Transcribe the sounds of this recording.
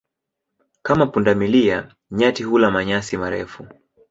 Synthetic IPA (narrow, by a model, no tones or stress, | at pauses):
kamapundamilia | ɲatiɦulamaɲasimaɾɛ̰fu